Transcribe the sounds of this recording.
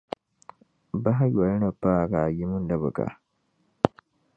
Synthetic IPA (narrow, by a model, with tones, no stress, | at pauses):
ba˦ɦa˦ja˨˦nɐ˨baː˦˨ka˨ji˦mu˦ndɐ˨bɐ˨ka̰˨